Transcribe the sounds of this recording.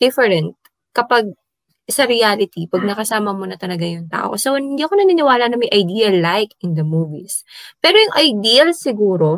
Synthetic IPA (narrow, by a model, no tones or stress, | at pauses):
d̪̥ɪfɛɾɛnt̪̚ | kɐpɐɡ̚ | sɐɾɪaːlɪt̪ipɐɡ̚nɐkɐsaːmɐmonɐt̪ɐlɐɡaŋjʊŋt̪a̰ːʔo̰kɐsɛwɐnhɪnd̪iːɐko̞nɐninɪwaːlɐnɐŋmɐjʔɐjd̪iːɐlːajkɪnd̪ɐmuːvispɛːɾojʊŋʔɐjd̪iːɐlsɪɡuːɾo̞